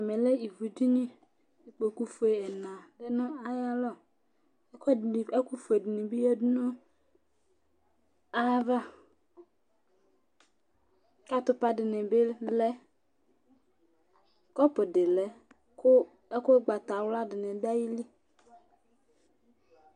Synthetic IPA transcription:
a˨mẽ˨le˦i˨vu˨d͡ʒi˦ɲĩ˦ | i˨k͡po˨ku˦fu˨e˨e˨nã˨de˦nʊ̃˦a˦ja˦lɔ˦˨ | e˦ku˦fe˨dɪ˨nẽ˨bi˦jɛ˦du˦nũ˦ | a˦va˦ | ka˦t̪ʊ˦pa˦ɖe˨nẽ˨be˦lɛ˦ | kɔ˦pe˨ɖe˨lɛ˨ | k | e˦ko˦ɡ͡ba˨t̪a˨wla˦ɖe˨nẽ˨ba˦ji˦li˦

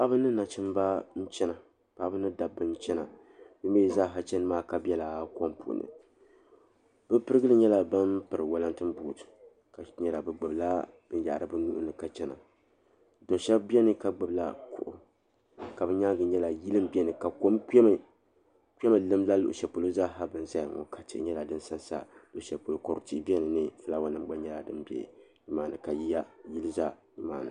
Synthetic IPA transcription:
pa˦bɨ˦nɨ˦na˨t͡ʃɨ˦mba˦n̩˦t͡ʃɛ˦na˨ | pa˨˦bɨ˦nɨ˦da˨bːɨ˦n̩˦t͡ʃɛ˦na˨ | b̥ɨ˦m˦beː˦˨zaː˦˨ɦa˨t͡ʃɛ˦nɨ˦maː˦ka˨bʲɛ˦la˨ko˦m˦pṵ˨ʔʊ̰˨nɨ̰˨ | bɨ˦pɨ˦ɾɨ˦ɡɨ˦lɨ˦ɲɛ˦la˨ba˦mpɨ˨ɾɨ˨wa˦la˦ntɨ˦m˦bu˦˨tɨ̥˨ | ka˨ɲɛ˦la˨bɨ˨ɡ͡bɨ˨bla˦ | n̩˦ja˨ʔa˨ɾɨ˨bɨ˦nu˦ʔʊ̰˦nɨ˨ka˨t͡ʃɛ˦na̰˨ | do˨ʃɛ˦bbi˦ɛ˦nɨ˦ka˨ɡ͡bɨ˨bla̰˦kʊ̰˦ʔʊ˨ | ka˨bɨ˦ɲa˦ɡɨ˨ɲɛ˦la˨ji˦lɨ˦m˦bɛ˦nɨ˨ka˨ko˦mkɛ˦m˨ | kʷɛ˦mɨ˨lɨ˦mla˦lʊ̰˨ʔʊ˨ʃɛ˨pu˨lo˦za˦ɦa˦bɨ˨n˨za˦jŋɔ̰˨kʰa˨t͡ʃɛ̰˨˦ɲɛ˦la˨dɨ˦n˦sa˦nsa̰˦lo˨ʃɛ˨pu˨lo˦ko˨ɾʊ̰˨ti˦bi˦ɛ˦nɨ˨nɨ˦fɨ˦la˦wa˨nɨ˦m˦ɡ͡ba˦ɲɛ˦la˨dɨ˦mbɛ̰˨ɲ˦maː˦˨nɨ̰˨ka˨ji˦a˦ji˦lɨ˦za˦ɲɨ˦maː˦˨nɨ̰˨

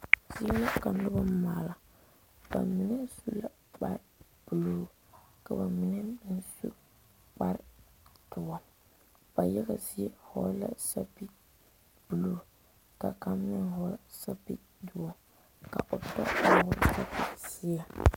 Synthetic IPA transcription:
z̥ɪ˦jɛ˦la˦ka˨n˦lʊ˦ba˦maː˨la˨ | ba̰˨mi˦nɛ˦su˦la˨ | k͡pa̰˦ɾɪ˨ | b̥u˨loː˦˨ | ka˨ba˨mɪ˨nɛ˦bn˦sṵ˦ | k͡pa˦ɾɪ˨tʊ˨wa˦ | b̥a˨jɛ˦ɡa˨zi˦jɛ˦hɔ̰˦la̰˦sa˦pi˦ | b̥u˨loː˦ | ka˨ka˦mː˦ɪ˦nɦɔ˦ɾsa˦pḭ˨ | du˨wa˦ | ka̰˨ʔo˨tɔ̰˦a˨˦˨ʊ˦ɾsa˦pi˦sɪ˦ja˨

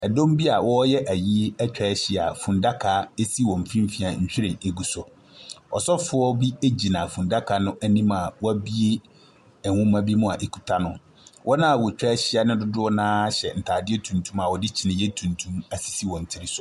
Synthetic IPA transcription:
ɛ˨dõ˦mbi˦a˨wɔ˦jɛ˦ʔæ˨ji˦ɛ˦t͡ɕᶣɛ˨˦ɕɪ˦a̰˨fũ˨nda˦kʰa˨˦e˦si˦wɔ̃˨m̩˨fĩ˦m˦fi˨a˨ɲ̩˨ɕᶣi˦ɾɪ̃˨e˨ɡu˨sʊ˨ | ɔ˨sɔ˦fʊ˦ɔ˦bi˦e˦d͡ʑi˨nã˨fũ˨nda˦kʰa˨nʊ̃˦ʔæ˦nĩ˦ma˨wɔ˦æ˦bi˦e˦ | ɛ˨hũ˦mã˦bi˦mʊ̃˦a˨ʔe˨kʰu˨tʰa˦nʊ̃˨ | wʔɔ˦nã˦a˨wɔ˨t͡ɕᶣɛ˦ɕɪ˦a˨nʊ̃˦dʊ˦dʊ˦ɔ˦nãː˦ɕɛ˨n̩˨tʰaː˨dɪ˦e˦tʰũ˨ntʰũ˦ma˨wɔ˨dɪ˦t͡ɕʰi˨nɪ̃˨jɛ˦tʰũ˨ntʰũ˦ma˨si̥˨si˦wɔ̃˨n̩˨tʰi˦ɾi˦sʊ˨

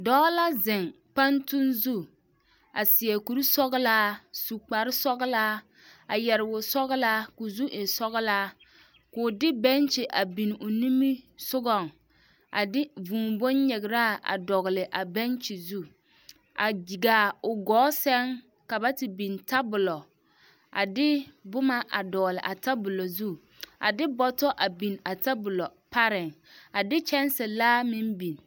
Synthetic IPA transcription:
dɔ˦la˦zɪ˨ŋ | pa˦ntu˦nzu˦ | a˨sɪ˨ɛ˨ku˨ɾi˦sɔ˦ɣlaː˦su˨k͡pa˨ɾɪ˦sɔ˦ɣlaː˦ | a˨jɛ˨ɾɪ˨wʊ˨sɔ˦ɣɪ˦la˦kʊ˨zu˦ʔɪ˨sɔ˦ɣɪ˦laː˦ | kʊ˨dɪ˦bɛ˦nt͡ʃɪ˨ʔa˨bi˨n˨ʊ˨ni˦mi˦sʊ˦ɡɔ˨ŋ | a̰˨dɪ˦vũː˨bo˦nɲɛ˨ɡɪ˨ɾa˦˨ʔa̰˨dɔ˨ɣlɪ˨ʔa˨bɛ˦nt͡ʃi˨zu˦ | a˨d͡ʒi˨ɡa˨ʊ˨ɡɔː˨˦sɛ˦ŋ | ka˨ba˦tɪ˨bi˨nta˦bʊ˨lɔ˨ | ʔa̰˨dɪ˦bʊ˦ma˦ʔa̰˨dɔː˨lɪ˨ʔa˨ta˦bʊ˨lɔ˨zu˦ | a̰˨dɪ˦bɔ˦tɔ˦ʔa˨bi˨na˨ta˦bʊ˨lɔ˨pa˦ɾɪ˨ŋ | a˨dɪ˦t͡ʃɛ˦n˦sɛ˨laː˦mɪ̃˦mbi˨n˨

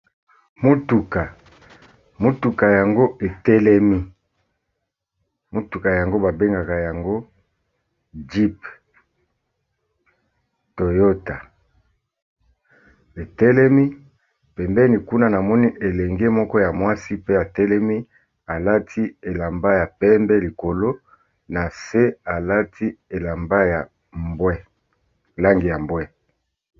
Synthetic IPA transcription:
mo˦tu˨ka˨ | mo˦tu˨ka˨ja˨ŋɡo˦e˨tɛ˦lɛ˦mi˦ | mo˦tu˨ka˨ja˨ŋɡo˦ba˨be˦ŋɡa˨ka˨ja˨ŋɡo˦ | d͡ʒi˦p | to˨jo˦ta˨ | e˨tɛ˦lɛ˦mi˦ | pɛ˨mbɛ˦ni˨ku˦na˦na˨mɔ˦ni˦ʔe˨lɛ˨ŋɡe˦mɔ˦kɔ˦ja˨mwa˦si˦pe˦a˨tɛ˦lɛ˦mi˦ | a˨la˦tʰi˦e˨la˨mba˦ja˨pɛ˦mbɛ˦li˨ko˨lo˦ | na˨se˦a˨la˦tʰi˦e˨la˨mba˦ja˨ | bwɛ˦ | la˦ŋɡi˨ja˨mbwɛ˦

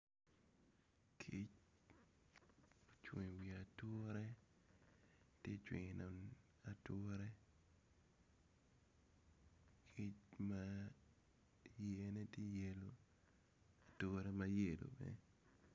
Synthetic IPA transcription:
kʰi˦t͡ʃ | t͡ʃwi˨ŋ˨wi˨a˨tʊ˦ɾe˦ | tje˦t͡ʃwḭ˨ŋ˨nɔ˨n | a˨to˦ɾe˦ | kʰi˦t͡ʃma˦ | je˨˦ne˦tje˦je˨lo˨ | a˨tʊ˦ɾe˦ma˨je˦˨lo̰˨bḛ˨˦

